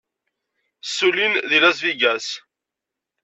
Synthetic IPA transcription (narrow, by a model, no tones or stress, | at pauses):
sːulinðilæsviɡæs